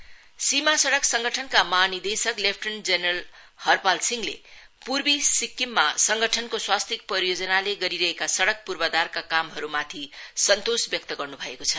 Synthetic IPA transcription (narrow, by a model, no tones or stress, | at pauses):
simasʌɽʌksʌŋɡʌʈʰʌnkamanid̪esʌklepʰʈʌnd͡zenʌl | hʌrpalsiŋlḛ | purbisikːimːasʌŋɡʌʈʰʌnkoswast̪ʰik̚prʌɾijod͡zʌnaleɡʌɾiɾʌɦekasʌɽʌk̚purbʌd̪arkakamɦʌɾumat̪ʰisʌnt̪osbjʌk̚t̪ʌɡʌrnubʱʌekot͡sʰʌ